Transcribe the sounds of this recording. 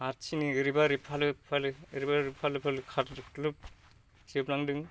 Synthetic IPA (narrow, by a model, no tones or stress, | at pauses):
aɾt͡ʃʰiniɯɾibaɾipʰalɯpʰalɯɯɾibaɾipʰalɯpʰalɯkʰaɾlɯp̚ | kʰiɯplaŋdɯŋ